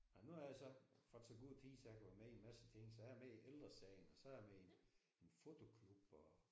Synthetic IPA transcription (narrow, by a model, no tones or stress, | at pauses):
ɑnuhɑjasɒ̽fɒt͡sʰeɡ̥uð̰ˠt͡sʰiːsjɑkʰæʋæɐmeimæsət͡sʰe̝ŋ̰sɒ̽æjɐmeiʔeld̥ʁɐsɛ̰ɪ̰nɒ̽sɒ̽æjɐmeen | enfo̝t͡sʰo̝kʰlub̥ɒ